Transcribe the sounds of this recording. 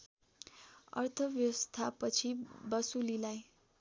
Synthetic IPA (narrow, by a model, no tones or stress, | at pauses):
ʌ̰rt̪ʰʌbjʌwʌst̪ʰapʌt͡sʰibʌsulilaj